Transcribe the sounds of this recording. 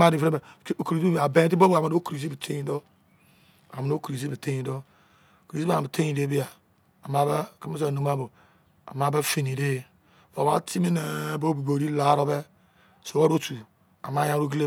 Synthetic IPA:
ma˦ɾi˨fɾe˦e˨˦˨ki˨˦i˦a˨be˦t̬i˦bo˦bo˦˨a˨me˨no˦kɾi˨zi˦bi˨tʰe˦ɲĩ˦do˦ | a̰˨m˨no˦kɾi˨zi˦bi˨te˦ĩ˨do˦˨ | kɾi˨zi˦a˨be˨te˦ĩ˨de˦bi˦a˨ | a˨ma˦bke˦me˦so˦˨no˨m˦a˦bo˨ | a̰˨ma˨˦be˦fe˨ni˨de˦˨ | vo˨ba̰˦ti˦me˦ne˨˦bo˦bi˨bo˨ɾi˦la˨˦ɾo˦be˦ | so˨wo˦ɾo˦tu˨ | a̰˨ma˦ja˦ɾu˦ɡi˦le˦

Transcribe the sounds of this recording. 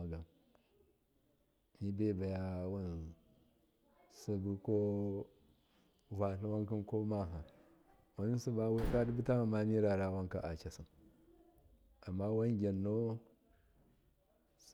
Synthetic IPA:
a˨ɡa˨m | mi˦be˦˨ba˨ja˦wa˦n | su˦bu˦ko˦ | va˨ɬu˦wa˦ŋki˦nko˦ma˦ɦa˨ | wa˨ni˦si˦ba˦we˦ka˦di˦bu˦ta˦ma˨ma˦mi˦ɾa˨ɾa˨wa˦ŋka˨ʔa˨t͡ʃa˨si˨n | a˨mːa˦wa˦nɡʲa˨nːo˦

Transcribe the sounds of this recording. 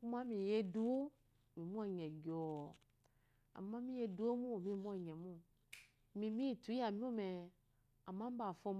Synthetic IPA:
ku˦ma˦mĩ˨je˧du˦o˦˨ | mĩ˨mu˦ɛ˦˨ɲɛ˨ɡɔ˨ | a̰˨ma˦mĩ˦je˧du˦o˦mũ˦˨mĩ˦mu˦ɛ˨ɲɛ˨mũ˦˨ | mĩ˨mĩ˦˨tu˨˦a˨mĩ˦o˦mɛ˨ | a˨mã˦m˦ba˨fɔ˧m

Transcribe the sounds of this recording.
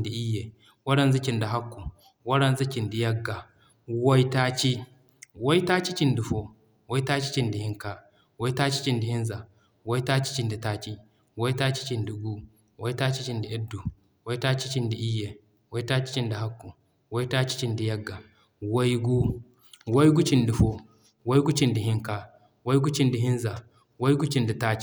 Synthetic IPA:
di˨ʔi˦je˨ | wɐ˦ɽɐ˦nzi˦t͡ʃi˨nda˨ɦa˦kːu˨ | wɐ˦ɽɐ˦nzi˦t͡ʃi˨ndi˨jɐ˦ɡːa˨ | wo˦i˦ta˦t͡ʃi˦ | wo˦i˦ta˦t͡ʃi˦t͡ʃi˦ndi˨fo˦ | wo˦i˦ta˦t͡ʃi̥˦t͡ʃi˨ndi˨hi˦ŋka˦ | wo˦i˦ta˦t͡ʃi̥˦t͡ʃi˨ndi˨hi˦nza˨ | wo˦i˦ta˦t͡ʃi̥˦t͡ʃi˨ndi˨ta˦t͡ʃi˦ | wo˦i˦ta˦t͡ʃi˦t͡ʃi˨ndi˨ɡu˦ | wo˦jtaː˦t͡ʃi˦t͡ʃi˨ndi˨ʔɛ˦dːu˨ | wo˦jtaː˦t͡ʃi˦t͡ʃi˨ndi˨ʔi˦jːe˨ | wo˦i˦taː˦t͡ʃi̥˦t͡ʃi˦ndi˨ɦa˦kːu˨ | wo˦i˦taː˦t͡ʃi̥˦t͡ʃi˨ndi˨jɐ˦ɡːa˨ | wo˦jɡu˦ | wo˦jɡu˦t͡ʃi˨ndi˨ɸo˦ | wo˦jɡu˦t͡ʃi˨ndi˨hi˦ŋka˦ | wo˦jɡu˦t͡ʃi˦ndi˨ɦi˦nza˨ | wo˦jɡu˦t͡ʃi˨ndi˨ta˦t͡ʃi˦

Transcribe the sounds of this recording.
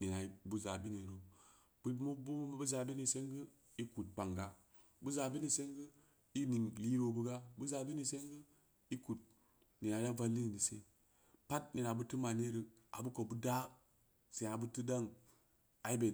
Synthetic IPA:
ni˨na˨i˨bu˦za˨bi˦ni˨ɾo˨ | b̥u˦mu˦bu˦m˦bu˦za˨bi˦ni˨se˦ŋɡə˦ | i˦ku˨t̚k͡pa˨ŋɡa˦ | bu˦za˨bi˦ni˨se˦ŋɡə˦ | i˦ni˨ŋli˦ɾo˨bu˦ɡa˦bu˦za˨bi˦ni˦˨se˦ŋɡə˦ | i˦ku˨t̚ | ni˨na˨da˦va˧lːi˦ni˨ni˨se˦ | pa˦t̚ni˨na˨bu˦tu˦ma˨ne˦ɾə˨ | a̰˨bu˦ko˨bu˦da˦ | se˨na˨bu˦ti˦da˦ŋ | a˨i˦be˨

